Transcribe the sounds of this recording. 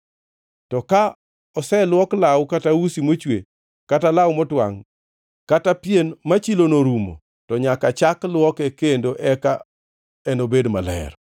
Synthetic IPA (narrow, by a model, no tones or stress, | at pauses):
tɔka | ɔsɛlwɔklawkatawusimot͡ʃwe | katalawmɔtwaŋ | katapjenmat͡ʃilonoɾumo̰ | tɔɲakat͡ʃaklwɔkɛkendoʔɛka | ɛnobedma̰lɛ̰ɾ